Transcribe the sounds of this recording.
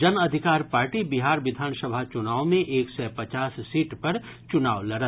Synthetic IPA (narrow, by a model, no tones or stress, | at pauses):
d͡ʒɐnɐd̪ʱɪkaːɾpaːɾʈibɪɦaːɾʋɪd̪ʱaːnsɐbʱat͡ʃʊnaːʋmẽʔeːksɛpɐt͡ʃaːsːiːʈpɐɾ | t͡ʃʊnaːʋlɐɽət̪